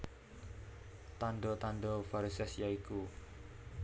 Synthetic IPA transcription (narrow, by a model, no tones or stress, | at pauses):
t̪anɖɔt̪anɖɔfaɾisɛsjaiku